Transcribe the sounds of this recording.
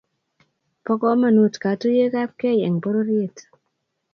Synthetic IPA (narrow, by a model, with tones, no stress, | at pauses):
pɔ˦kɔ˦ma˨nu˨tka˨tu˦je˦ka˦p̚ke˦jɛ˨ŋbo˦ɾo˦ɾie˦˨t